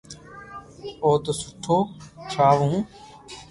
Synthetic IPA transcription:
oːt̪osʊʈʰːoːt͡ʃʰaːʋũː

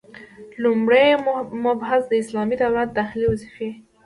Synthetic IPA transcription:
lumɽejmʊbɦazd̪əɪslɑmid̪awlat̪̚d̪axɪliwazɪfe

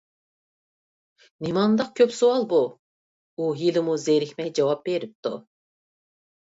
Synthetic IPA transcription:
nimɑnd̪ɑq̚kʲʰøpsowɑlˠbu | ujilɪmuzeɾɪxʲmɛjd͡ʒɑwɑp̚beɾip̚t̪u

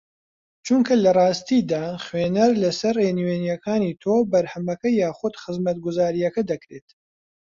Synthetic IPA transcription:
t͡ʃuŋkʰɐlɐrˤɑːst̪id̪aːχwenɐɾlɐsɐrenwenjɐkʰaːnit̪ʰoːbɐɾhɐmɐkɐjaːχʊd̪xɨzmɐt̪̚ɡʊzaːɾijɐkɐd̪ɐkɾet̪

